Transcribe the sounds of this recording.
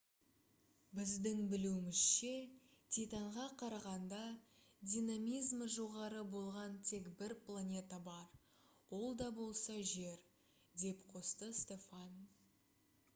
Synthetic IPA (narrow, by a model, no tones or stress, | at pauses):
bɪzd̪ɪŋbɪluɪmɪz̥ʃe̞t̪ʰʲijt̪ɑɴʁɑqʰɑɾɑʁɑnd̪ɑ | d̪ʲijnamijzmʒo̞ʁɑɾəbo̞lˠʁɑnt̪ʰe̞kbɪɾplˠanʲe̞t̪ɑbɑɾ | wo̞lˠd̪ɑbo̞lˠsɑʒe̞ɾ | d̪e̞pqʰo̞st̪əst̪ʲe̞fɑn